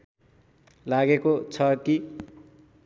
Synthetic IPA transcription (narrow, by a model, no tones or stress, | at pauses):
laɡekot͡sʰʌki